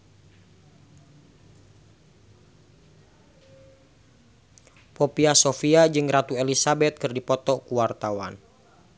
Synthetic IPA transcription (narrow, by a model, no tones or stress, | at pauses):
popiasofiad͡ʒɨŋrat̪uelisabɛt̪̚kɨrdipɔt̪ɔkuwart̪awan